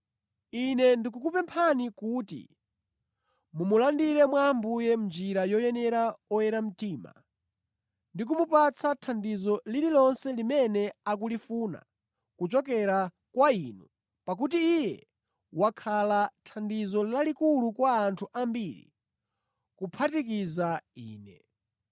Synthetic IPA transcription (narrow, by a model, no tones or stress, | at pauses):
inɛndikukupɛmpʰanikutḭ | mumulandiɾɛmwaːmbujɛm̩nd͡ʒiɾajɔjɛnɛɾaɔjɛɾam̩tiːma̰ | ndik̬umupat͡sʰatʰandizɔlililɔnsɛlimɛnɛakulifuna̰ | kut͡ʃɔk̬ɛɾa | kwainṵ | pak̬utiːjɛ | wakʰalatʰandizɔlalikulukwaːntʰuʔambiɾḭ | kupʰatik̬izaiːnɛ̰